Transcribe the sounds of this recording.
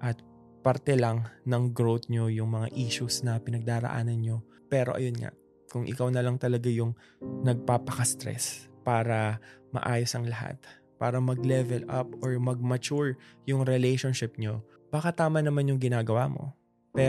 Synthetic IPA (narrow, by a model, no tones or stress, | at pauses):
ʔɐt̪̚ | pɐɾt̪ɛlɐŋnɐŋɡɾowt̪ɲo̞jʊŋmɐŋa̰ʔiːʃusnɐpɪnɐɡ̚d̪aːɾɐ̰ʔa̰ːnɐnɲo̞ | pɛːɾo̞̰ʔɐ̰jonŋa̰ʔ | kʊŋʔɪ̰kawnɐlɐŋt̪ɐlɐɡajʊŋ | nɐɡ̚paːpɐkɐst̪ɾɛ̰spaːɾɐmɐ̰ʔaːjosɐŋlɐha̰t̪ | pa̰ːɾɐmɐɡ̚lɛvɛlʔɐp̚ʔoɹmɐɡ̚mɐt͡ʃuɹjʊŋɾɛlɛjʃonʃɪp̚ɲo̞ | b̥akat̪aːmɐnɐmanjʊŋɡɪnaːɡɐwamo̞̰ | pɛ